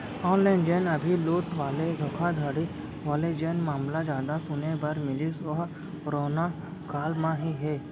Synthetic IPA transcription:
ɔ̃ːnlɛːnd͡ʒɛːnɐbʱiluːʈʋaːled̪ʱɔːkʰad̪ʱəɽi | ʋaːled͡ʒɛːnmaːmlad͡ʒjaːd̪asʊnebɐɾmɪlɪsɔ | ɾoːna | kaːlmãɦiɦɛː

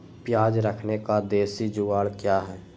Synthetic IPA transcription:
pjaːd͡ʒɾəkʰnekad̪eːsid͡ʒʊʋaːɭkjaːɦɛː

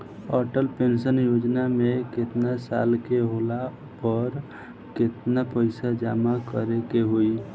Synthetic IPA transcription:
ɔɾʈəlpensənjod͡ʒnameket̪nasa̰lkeɦola | pəɾ | ket̪napəɪsad͡ʒamakəɾekeɦoi

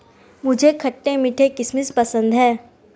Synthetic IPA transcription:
mʊd͡ʒʱekʰɐʈːẽmɪʈʰekɪsmɪspɐsə̃nd̪ɦɛː

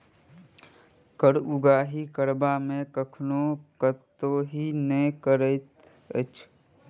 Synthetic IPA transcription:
kəɽuɡaːɦikəɾbamẽkəkʰnokətt̪ːoɦinəjkəɾəɪt̪ | ə̰t͡ʃʰ

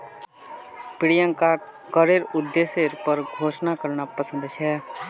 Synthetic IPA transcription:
pɪɽijəŋkaː | kəɾeɾʊd̪ːeːseɾpəɾɡʱoːʃnakəɾɳapəsə̃nd̪t͡ʃʰɛ

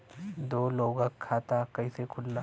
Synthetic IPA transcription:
d̪oːloːɡakʰːaːt̪akɐĩsekʰʊlːa

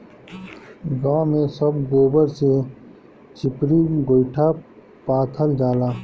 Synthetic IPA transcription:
ɡãːmẽsɐbɡoːbəɾse | t͡ʃʰɪpɾiɡoɪʈʰa | paːt̪ʰəld͡ʒaːlaː

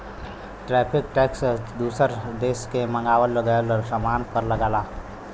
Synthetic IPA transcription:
ʈɾɛːpʰɪkʈɛːksd̪uːsəɾd̪eːskemə̃ŋɡaːʋəlːəɡaːlɾsəmaːnpəɾləɡaːlaː

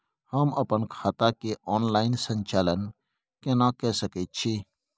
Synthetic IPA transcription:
həməpənkʰaːt̪akeʔɔːnlaːɪnsə̃ɲt͡ʃaːlən | kenakɛsəket̪̚t͡ʃʰiː

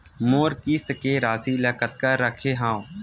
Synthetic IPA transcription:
moːɾkiːst̪keɾaːsiləkət̪̚kaːəkʰeɦãːw

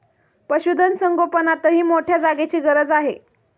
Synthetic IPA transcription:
pəɕud̪ʱənsəŋɡopənat̪əɦiːmoʈʰjad͡zaɡet͡ɕiːɡəɾəd͡zaɦe

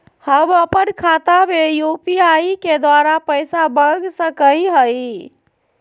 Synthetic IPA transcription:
həbəpənkʰat̪abʱejupiaiked̪ʋaɾapəjsabəɡsəkəiɦəj

